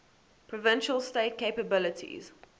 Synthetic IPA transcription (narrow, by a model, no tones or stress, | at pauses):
pʰɹɔvɪ̃nʃəlsteɪt̚kʰeɪpəbɪlətʰḭz̥